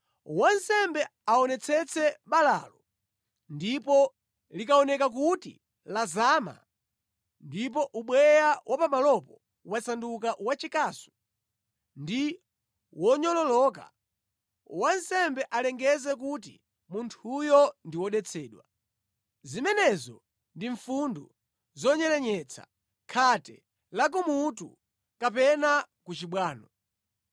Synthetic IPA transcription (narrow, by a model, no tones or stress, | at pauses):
wansɛmbɛaɔnɛt͡sʰɛt͡sʰɛɓala̰lɔ | ndipɔ | likaɔnɛkak̬utḭ | lazaːma̰ | ndipɔʔuɓwɛjawʔapamalɔpɔ | wasandukawat͡ʃikasu̥ | ndi | wɔɲɔlɔlɔːka̰ | wansɛmbɛʔalɛŋɡɛzɛk̬ut̬ḭ | muntʰujɔndiwɔɗɛt͡sʰɛːɗwa | zimɛnɛzɔ̰ | ndiɱfundu | zɔɲɛlɛɲɛt͡sʰa̰ | kʰatɛ̰ | lak̬ɔmutṵ | kapɛna | kut͡ʃiɓwaːnɔ